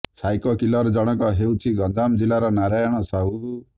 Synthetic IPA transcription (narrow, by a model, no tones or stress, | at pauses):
sʰajkɔkilɔɾɔd͡ʒɔɽ̃ɔkɔɦewt͡ʃʰiɡɔnd͡ʒamd͡ʒilaɾɔnaɾajɔɽ̃ɔsau